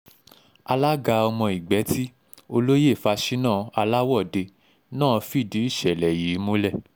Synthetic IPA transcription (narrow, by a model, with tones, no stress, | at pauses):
a˧la˦ɡa˧ɔ˧mɔ̃˧i˨ɡ͡bɛ˨˦ti˦ | o˧lo˦je˦˨fa˧ʃi˦nã˦˨a˧la˦wɔ˦˨de˧ | nãː˦˨˧fi˦˨di˨˦i˦˨ʃɛ˨lɛ˨ji˨˦mo˦lɛ˦˨